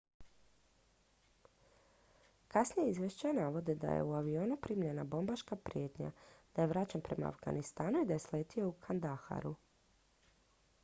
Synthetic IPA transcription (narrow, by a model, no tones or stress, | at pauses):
kasnijeizʋʲjeʃt͡ɕanaʋo̞d̪ed̪a̰jḛuaʋio̞ːnupɾiːmʎe̞nabo̞mbaʃkapɾije̞t̪ɲa̰d̪̥aje̞ʋɾat͡ɕenpɾe̞ma̰a̰fɡa̰nist̪aːnuid̪ajesleːt̪ioukʰand̪axa̰ɾu